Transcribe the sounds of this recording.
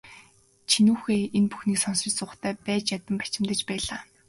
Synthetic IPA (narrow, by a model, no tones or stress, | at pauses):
t͡ɕʰinuːxeːenpu̥xniːksɔnsɪ̆t͡ɕsʊːχt̪ʰæːpæːt͡ɕjat̪ə̆mpḁt͡ɕɪ̆mt̪ə̆t͡ɕpæːɮaː